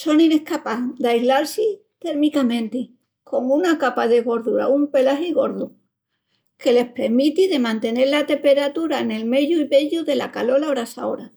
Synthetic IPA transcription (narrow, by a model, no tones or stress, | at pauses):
so̞nine̞hkapaðeajzlaɾsi | t̪e̞ɾmikamẽ̞nt̪i | kʰo̞ŋunakapaðe̞ɣo̞ɾðuɾa̰umpe̞laɦiɣo̞ɾðu | ke̞le̞spe̞ɾmit̪iðe̞mãnt̪e̞ne̞ɾlat̪e̞mpe̞ɾat̪uɾaene̞lme̞ʎuiβe̞ʎuðe̞lakalo̞laoɾasa̰o̰ɾa